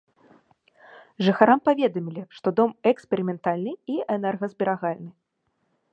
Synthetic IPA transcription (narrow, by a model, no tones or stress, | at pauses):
ʐɨxaɾampavʲɛd̪ɐmʲilʲiʂt̪ɔd̪ɔmɛkspʲɛɾʲimʲɛnt̪alʲnɨiɛnɛrɣɐzbʲɛɾaɣalʲnɨ